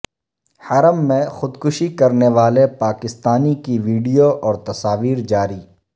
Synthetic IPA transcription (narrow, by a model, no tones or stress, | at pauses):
hɐɾəmːẽxʊd̪kʊʃikɐɾneʋaːlepaːkɪst̪aːnikiʋiːɖijoʔɔːɾt̪ɐsaːʋiːɾd͡ʒaːɾiː